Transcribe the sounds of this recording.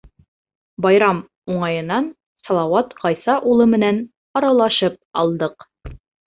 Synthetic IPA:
bɑjɾɑm | uɴɑjɤ̆nːɑn | sɒlˠɑwɑt̪ʁɑjsɑʔulˠɤmɘ̆næn | ɒɾɑlˠɑʃɤp̚ɒ̰lˠd̪ɤq

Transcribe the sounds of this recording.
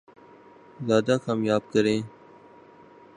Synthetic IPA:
zaːd̪aːkaːmjaːb̚kəɾẽː

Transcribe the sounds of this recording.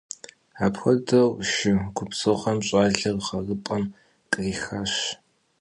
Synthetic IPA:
aːpxʷɐdɐwʃɪɡ̥ʷʊpsɨʁɐmɕʼaːɮɐrχɐrɨpʼɐm | kʼriːxaɕ

